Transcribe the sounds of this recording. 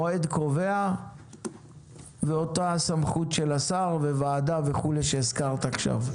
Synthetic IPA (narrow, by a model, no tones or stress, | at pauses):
oed̪ko̞ve̞a | veo̞taasamχutʃelasaʁve̞vaːdave̞χule̞ʃeːskaʁt̪aχʃa̰v